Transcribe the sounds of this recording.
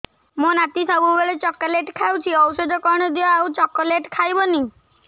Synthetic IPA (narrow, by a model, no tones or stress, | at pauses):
monat̪isɔbubeɭet͡ɕɔkːaleʈkʰawt͡ʃʰiɔwsed̪ʱɔkɔɾɽ̃ɔd̪iaːwt͡ʃɔkːɔleʈkʰajbɔni